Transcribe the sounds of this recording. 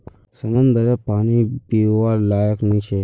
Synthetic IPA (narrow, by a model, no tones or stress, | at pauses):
səŋɡənd̪əɾapaːnipiʋalaːjəknĩt͡ʃʰe